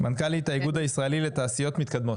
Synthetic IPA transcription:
mankalit̪aiɡud̪aisʁaelile̞t̪aːsijo̞t̪mit̪kad̪mo̞t

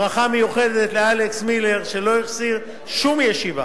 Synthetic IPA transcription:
ʁaχame̞juχe̞d̪e̞t̪lealeksmile̞ʁʃe̞lo̞iχsiʁ | ʃumjeʃiva̰

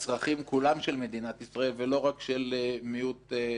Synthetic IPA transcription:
t͡sʁaχimkulamʃelme̞d̪inat̪isʁae̞lvelo̞ʁakʃelmijut̪

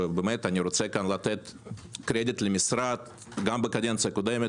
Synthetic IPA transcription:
bəmɛt̪anʲiɾʊt̪sɛkanlˠat̪et̪kɾʲed̪ʲit̪lʲɪmʲisɾat̪ | ɡambəkad̪ʲent̪sekʊd̪emʲə

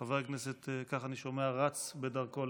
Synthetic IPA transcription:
aveʁkneset̪kaχaniʃo̞meaʁat͡sbedaʁkol

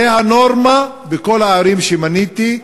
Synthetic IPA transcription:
eɦanoʁma | beko̞lhaːɾimʃemanit̪i

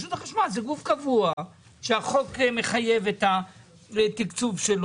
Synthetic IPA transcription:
ʃut̪aχaʃmazeɡufkavua | ʃeaχo̞kme̞χaje̞vet̪a | et̪ikt͡suvʃel

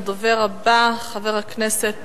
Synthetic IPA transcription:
d̪oveʁabaχaveʁhakneset̪

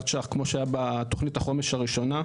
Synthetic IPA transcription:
t͡ʃaχkmoʃeajabat̪o̞χnithaχo̞meʃaʁiʃo̞na

